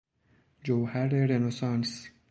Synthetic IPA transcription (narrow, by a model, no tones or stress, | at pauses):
d͡ʒowhæɾeɾenosɑ̃ns